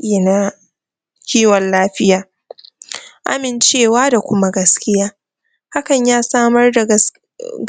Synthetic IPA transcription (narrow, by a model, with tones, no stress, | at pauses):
e˨na˦ | kʲiː˦wɐ˨nlaː˦ɸɪ˦jaː˨ | ʔa̰˦mɪ˨nt͡ʃeː˦˨waː˦da˨kʷʊ˦ma˦ɡɐ˦skʲɪ˦jaː˦ | ha˦kɐ˨ɲjaː˦saː˦mɐ˦rda˨˦